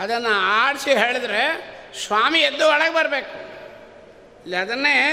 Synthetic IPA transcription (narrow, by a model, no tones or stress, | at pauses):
ɐd̪ɐnːɐaːɽsiɦeːɭd̪ɾesʋaːmied̪ːuɐɭɐɡbɐɾbeːku | ɐlːiɐd̪ɐnːeː